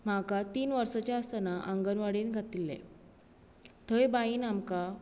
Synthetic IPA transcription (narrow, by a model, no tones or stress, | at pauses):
m̤akat̪iːnʋəɾsat͡ɕjaəst̪ənaʔaŋɡənʋaɽeːnɡʱat̪ilːɛ̰ | t̪ʰəjbaiːnamka